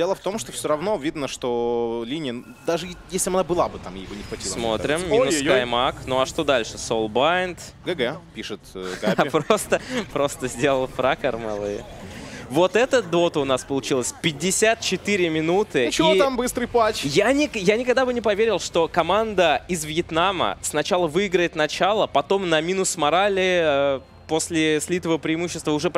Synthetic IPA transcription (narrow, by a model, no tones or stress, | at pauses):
dʲelˠəft̪omʂt̪ofsʲoɾɐvnovʲid̪nəʂt̪olʲinʲɪjən | d̪aʐɨjesʲlʲɪbɐnabɨlˠabɨt̪amjḛjbɨnʲɪxvɐt̪ʲissmo̞̰t̪ɾʲɪmmʲinʊsajmaknoɐʂt̪o̞d̪alʲʂɨsolˠbajnt̪ɡɛɡɛpʲiʂɨt̪ɡaɪpɾost̪əpɾo̞st̪əzʲdʲelˠəlˠfɾakərmɐ̰lˠɨ̰ | vo̞t̪ɛt̪əd̪o̞t̪əʊnaspəlˠʊt͡ɕilˠəsʲpʲɪdʲːɪsʲat̪̚t͡ɕɪt̪ɨɾʲɪmʲɪnut̪ɨt͡ɕɪit̪ambɨst̪ɾɨjpat͡ɕjanʲɪjanʲɪkɐɡd̪abɨnʲɪpɐvʲeɾʲɪlˠʂt̪o̞kɐmand̪əɪzvʲjɪt̪namə̰snɐt͡ɕalˠəvɨɪɡɾəjɪt̪nɐt͡ɕalˠəpɐt̪o̞mnɐmʲinʊsmɐɾalʲɪə | posʲlʲɪsʲlʲit̪əvəpɾʲɪːmuɕːɪst̪vəʊʐɛp